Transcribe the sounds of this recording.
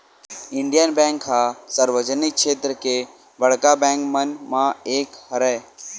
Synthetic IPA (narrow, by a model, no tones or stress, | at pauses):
ɪɳɖijənbɛ̃ːŋkɦasəɾʋəd͡ʒənɪkʃeːt̪ɾəke | bəɽ̤kabɛ̃ːŋkmənmãeːkhəɾɛː